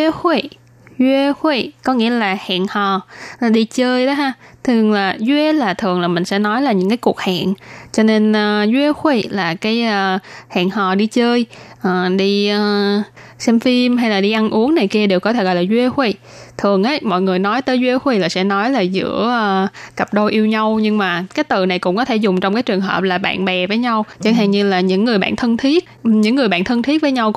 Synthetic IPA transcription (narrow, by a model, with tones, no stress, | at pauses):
xe˧˩ | zwi˧xwe˧˩kɔ˨˦ŋḭ˧˥əlaː˨˩ha̰ː˧˨nhɔ˨˩aː˨˩ɗi˧t͡ɕəː˧jɗɔ˨˦ɦaː˧˩t̪ʰɨ˨˩əŋlaː˨˩zwe˧laː˨˩t̪ʰɨ˨˩əŋlaː˨˩mï˨˩ŋ̟sɛ̰˧˥nɔ˨˦jlaː˨˩ɲɨ̰˧˥ŋkaː˨˦jku˨˩ək̚ha̰ː˧˨nt͡ɕɔ˧ne˧nəː˧zwe˧xwe˧˩laː˨˩kaː˨˦jəː˧ha̰ː˧˨nhɔ˨˩ɗi˧t͡ɕəː˧jʔəː˨˩ɗi˧əː˧sɛ˧mfi˧mɦa˧jlaː˨˩ɗi˧ʔa˧nʔu˨˦əŋna˨˩jki˧əɗe˨˩wkɔ˨˦t̪ʰe˧˩ɣɔ̰˧˨jlaː˨˩zwi˧xwe˧˩ | t̪ʰɨ˨˩əŋʔaː˨˦jmɔ̰˧˨jŋɨ˨˩əjnɔ˨˦jt̪əː˨˦jzwi˧xwe˧˩laː˨˩sɛ̰˧˥nɔ˨˦jlaː˨˩zɨ̰˧˥əʔəː˧˩kə˨˩p̚ɗo˧jʔi˧əwɲa˧wɲɨ˧ŋmaː˨˩kaː˨˦jt̪ɨ˨˩na˨˩jkʊ̰˧˥ŋ͡mkɔ˨˦t̪ʰe˧˩zʊ˨˩ŋ͡mt͡ɕɔ˧ŋ͡mkaː˨˦jt͡ɕɨ˨˩əŋɦə̰ː˨˩p̚laː˨˩p̚ɓa̰ː˧˨nɓɛ˨˩vəː˨˦jɲa˧wt͡ɕə˧˩nɦaː˨˩ŋɲɨ˧laː˨˩ɲɨ̰˧˥ŋːɨ˨˩əjɓa̰ː˧˨nt̪ʰə˧nt̪ʰi˦˥ət̚ɲɨ̰˧˥ŋːɨ˨˩jɓa̰ː˧˨nt̪ʰə˧nt̪ʰi˦˥t̚vəː˨˦jɲa˧w